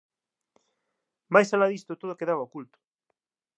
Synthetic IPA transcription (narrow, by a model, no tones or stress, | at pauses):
majsalaðist̪ot̪oðokeðaβaokult̪ʊ̥